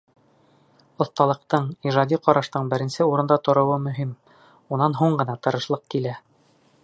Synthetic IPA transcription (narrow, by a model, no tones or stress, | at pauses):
ŏθt̪ɑlˠɤ̆q̚t̪ɤɴiʒɑd̪ʲiqɒɾɑʃt̪ɤɴbɘ̆ɾɘ̆nsɘuɾɤ̆nd̪ɑt̪ŏɾɤ̆wɤmɵ̆ɦim | unɑnɦuɴɢɤ̆nɑt̪ɤ̆ɾɤ̆ʃlˠɤq̚kilæ